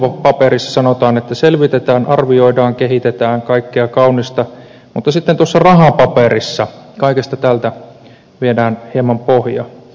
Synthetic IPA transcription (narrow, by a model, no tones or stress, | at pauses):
opɑpeɾisːɑsɑnot̪ɑːnet̪ːæselʋit̪et̪æːnʔɑrʋioidɑːŋkeɦit̪et̪æːŋkɑikːeɑkɑunist̪ɑ | mut̪ːɑsit̪ːent̪uosːɑrɑɦɑpɑperisːɑkɑikest̪ɑt̪ælt̪æ | ʋiedæːnhemːɑmpohjɑ̰